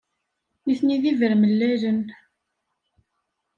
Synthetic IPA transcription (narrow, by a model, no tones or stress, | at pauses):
iθniðivəɾməlːælən